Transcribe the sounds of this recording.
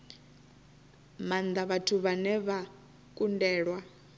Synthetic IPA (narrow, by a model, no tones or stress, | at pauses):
mand̪aβatʰuβanɛβa | kʼundɛːɺwa